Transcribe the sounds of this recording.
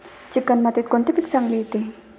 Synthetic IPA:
t͡ɕikːanmat̪et̪̚kont̪epik̚t͡saŋlet̪e

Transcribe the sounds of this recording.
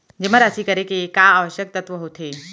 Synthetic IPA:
d͡ʑeməɾasikəɾekekaːʋəɕjək̚t̪ət̪ʋəɦot̪ʰe

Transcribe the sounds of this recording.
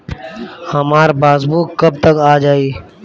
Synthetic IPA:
həmaːɾbaːzbuːkːəb̚t̪əkaːd͡ʒaːiː

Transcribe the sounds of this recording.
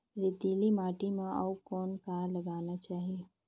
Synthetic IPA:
ɾɪt̪iːlimaːʈimãawkɔːnkaːɾlɐɡaːnat͡ʃaːɦie

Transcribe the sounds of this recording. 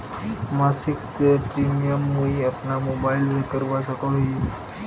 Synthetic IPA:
masikpɾimijəmːuiəpnamobailsekəɾʋasəkoɦi

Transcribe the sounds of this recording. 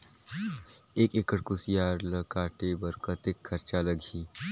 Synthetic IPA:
eːkekəɽkʊsijaːɾləkaːʈebəɾkət̪ekʰːəɾt͡ʃaləɡʱiː

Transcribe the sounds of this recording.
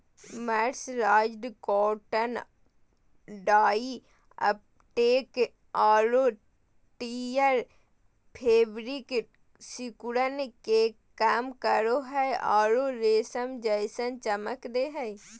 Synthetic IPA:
mɛɾsɾaːd͡ʒɖkɔːʈən | ɖaːiː | ə̰p | ʈeːk | aːɾoː | ʈiːjəɾ | pʰeːbɾik | sikuɽənke | kamkəɾoɦɛʔaːɾoːɾeːsəmd͡ʒəjsənt͡ʃəməkd̪eɦɛ

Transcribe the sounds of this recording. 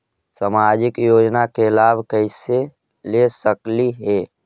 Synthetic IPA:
səmad͡ʒɪkjod͡ʒnakelabʱkəɪse | lesəkliɦe

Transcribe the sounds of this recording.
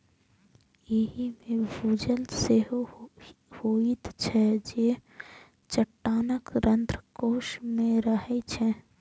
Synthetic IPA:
jeɦimẽbʱuːd͡ʒəlseɦo | hoːit̪t͡ʃʰɛd͡ʒeː | t͡ʃəʈːaːnəkɾə̃nt̪ɾəkoːʃmẽɾəɦɛt͡ʃʰɛ

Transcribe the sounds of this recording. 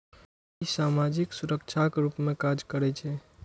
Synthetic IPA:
isamad͡ʒiksuɾək̚t͡ʃʰakɾupmekad͡ʒkəɾɛt͡ʃʰɛ

